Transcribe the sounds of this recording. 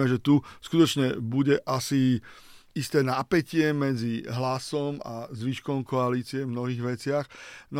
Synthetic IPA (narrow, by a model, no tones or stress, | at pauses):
mɛʒɛt̪uskut̪ɔt͡ʃɲɛbuɟɛʔasi | ist̪ɛːnapɛcɪɛmɛd͡ziɦlasɔma̰zʋiʃkɔʊmkɔaliːt͡siɛvmnɔɦiːɣʋɛt͡sɪaxn